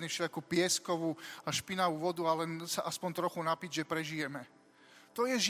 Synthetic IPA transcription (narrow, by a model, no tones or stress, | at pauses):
ɲɛfʃɛakupɪɛskɔʋuaʃpinaʋuʋɔd̪ualɛnsaʔaspɔnt̪ɾɔxunapid͡ʑʒɛpɾɛʒijɛmɛ | t̪ɔjɛʒ